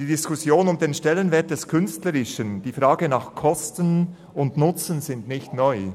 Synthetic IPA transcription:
d̥iːdɪskʊsjoːnʊmdeːnʃtɛlənvɛːɐt̚d̥ɛskʰʏnstləɾɪʃənd̥iːfɾaːɡənɑːχkʰɔstən | ʊndnʊt͡sənzɪndnɪçtnɔʏ

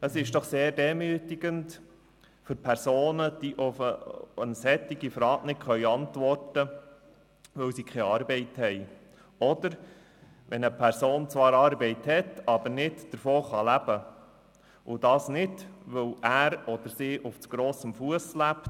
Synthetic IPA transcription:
əsɪʃd̥ɔχseːɾdɛmyːtiɡənt | fʏɾpʰɛɾsoːnəd̥iʔʊfəənsɛt̪ːiɡifɾɑːɡnɪkχœʏɑntʋɔrtə | ʋɵwsikʰχɛɑːɾbɛɪthɛj | ɔdəɾ | ʋɛnəpʰæɾsoːnt͡sʋɑːɾɑːɾbɛɪthɛtɑb̥əɾnɪdd̥əɾfoːχɑlæb̥ə | ʊd̥ɑːsnɪdʋɵwæːɾɔd̥̪əɾsiːʔʊft͡suɡ̥ɾɔːsəmfuəslæpt

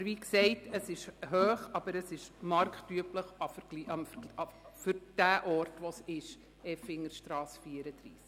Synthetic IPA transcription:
ʋiksɛɪtəsɪʃhøːχɑb̥əɾəsɪʃmɑɾktyəpləχɑfəɾɡ̥liʔɑmfəɾɑfʏɾd̥æːʔɔːrtʋosɪʃ | ɛfɪŋːəɾʃtɾɑːsfiːəɾəd̥ɾḭːsk

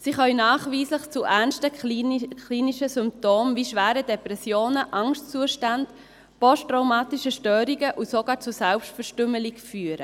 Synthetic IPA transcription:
siχœlnɑːχviːsləχt͡suʔæɾnstə | liːniʃəsʏmp̚toːmviːʃvæːɾədɛpɾɛsjoːnəʔɑŋstt͡suəʃtand | pɔstʁaʊmɑːtiʃəʃtœːɾiɡəʔusoɡɑːɾt͡susɛlpʃtfɛɾʃtʏməliɡfyːəɾə

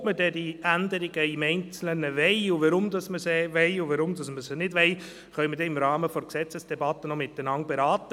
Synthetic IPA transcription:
mədɛdiænd̪əɾɪɡəɪmɛɪnt͡slənəʋɛɪʊʋəɾʊmd̪ɑsməsɛʋɛɪʊʋəɾʊmd̪ɑsməsənɪdʋɛj | χœʏmədɛɪmɾɑːməfɔɾksɛt͡səsd̥ɛbɑt̪ːənɔmɪt̪ːənɑŋbeɾɑːt̪ə

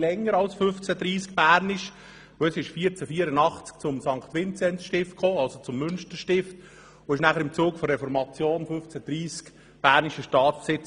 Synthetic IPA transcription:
lɛŋːəɾɑlsfʏft͡sæd̥̪ɾiːskb̥æːɾnɪʃ | ɛsɪʃfiːəɾt͡səfiːəɾənɑχt͡sk̚t͡sʊmsɑŋkχt̪ʋɪnt͡sɛntʃtɪft̚kχoːɑlsot͡sʊmːʏnʃtəɾʃtɪft̪ | oɪʃnæχəɾɪmt͡suːkfɔɾɛfɔɾmɑt͡sjoːnfʏft͡sæd̪̥ɾiːsk | b̥æːɾniʃəʃtɑːtt͡spsɪt͡s

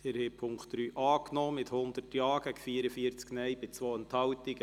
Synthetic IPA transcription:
d̪̥ɛɾheːpʰʊŋkχtd̥ɾyːʔɑːknɔːmɪt̪hʊnd̪ərtjɑːɡ̥æɡ̥fiːəɾəfiəɾt͡sknɛjbɪt͡sʋoːənt̪hɑlt̪ɪɡ̥ə

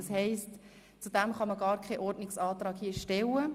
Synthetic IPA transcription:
ɑshɛɪst | t͡sudæmχɑməɡɑːɾkʰχɛʔɔɾdnɪksɑːtɾɑːkhiːʃtɛwə

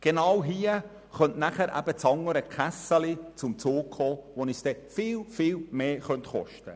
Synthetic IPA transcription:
ɡ̥enɑwɦiːə | χœntnæχəɾʔæ̰b̥ət͡sɑŋəɾəkʰæsəlit͡sʊmt͡soːkχoːʋonisd̥ɛfɪːlfɪːlmeːχœntχɔ̰ʃtə

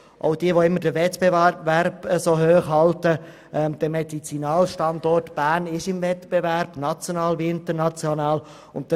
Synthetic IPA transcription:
ʔo̰ʊdiəʋoɪmːəɾd̥əʋɛt̪beværbəsoːɦøːχɦɑltə | ʔɛmd̥əmɛdit͡sinɑːlʃtɑnd̪ɔrtb̥æːnɪʃɪmvɛtb̥evæɾb̥nɑt͡sjonɑːlʋiɪnt̪ənɑt͡sjonɑːl | ʊnt̚d

